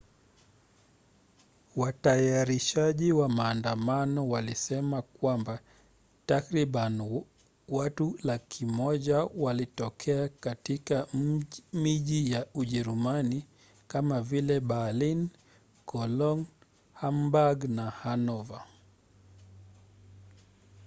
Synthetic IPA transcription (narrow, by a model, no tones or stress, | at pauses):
watajaɾiʃaʄiwamaːndamanɔwalisɛmakwamba | takɾiɓan | watulakʰimɔʄawalitɔkʰɛakatika | miʄijauʄɛɾumani | kamavilɛɓalin | kɔlɔŋ | hambaɡnahanɔva